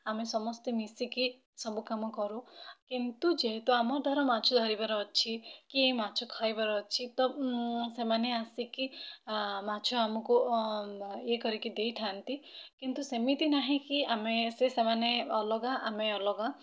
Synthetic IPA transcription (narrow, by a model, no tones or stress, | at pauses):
amesɔmɔst̪emisiki | sɔbukamɔkɔɾũkint̪ud͡ʒeɦet̪uamɔɾd̪ʱɔɾɔmat͡ʃʰɔd̪ʱɔɾibaɾɔːt͡ʃʰikiemat͡ʃʰɔkʰajbaɾɔːt͡ʃʰit̪ɔsemaneasiki | mat͡ʃʰɔamɔku | ekɔɾikid̪ejʈʰant̪ikint̪usemit̪inaɦĩkiamesesemaneɔlɔɡaʔameɔlɔɡa